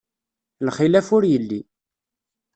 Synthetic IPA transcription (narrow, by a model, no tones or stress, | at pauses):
lχilæfʊɾjəlːi